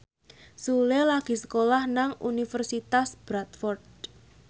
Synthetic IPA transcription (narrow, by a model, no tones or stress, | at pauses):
sulelaɡ̥i̤sə̥kolahnaŋṵnifərsit̪asb̥ɾat̪fɔrd̪